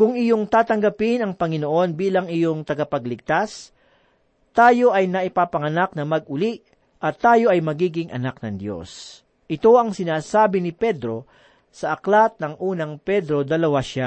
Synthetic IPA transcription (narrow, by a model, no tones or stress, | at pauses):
kʊŋɪjo̞ŋt̪aːt̪ɐŋɡɐpɪnɐŋpɐŋɪnoʔo̞nbiːlɐŋɪjo̞ŋt̪ɐɡɐpɐɡlɪɡ̚t̪as | t̪aːjo̞ʔɐjnɐʔɪpaːpɐŋɐnak̚nɐmɐɡ̚ʊliʔ | ʔɐt̪ːaːjo̞ʔɐjmɐɡiːɡɪŋʔɐ̰nak̚nɐŋd̪jo̰s | ʔɪt̪o̞ʔɐŋsɪnaːsaːbɪnɪpɛd̪ɾo̞ | sɐʔɐklat̪̚nɐŋʔuːnɐŋpɛd̪ɾo̞d̪ɐlɐwaʃa